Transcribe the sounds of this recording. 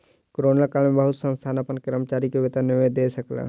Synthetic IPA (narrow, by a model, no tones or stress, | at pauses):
kɾoːnakalmẽbəɦʊt̪sə̃nst̪ʰaːnɐpənkɪɾəmt͡ʃaːɾikeʋɪt̪anɪʋd̪eːsəkla̰ː